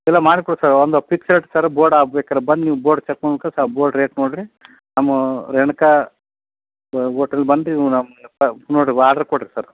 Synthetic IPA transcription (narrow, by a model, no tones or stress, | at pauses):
ɛlːɐmaːɽikuɽsaɾɔnd̪opiksɐlʈsɐɾboːɾɖaːʋɛkːɐɾɐbɐnd̪niːboːɾɖt͡ʃɐkmukɐsaboːɾɖɾeːʈnoːɽɾi | namɐɾɛɳɐka | oːʈɐlbɐnd̪iinampɐnoːɽɾiaːɽɐɾkoɽɾisɐɾ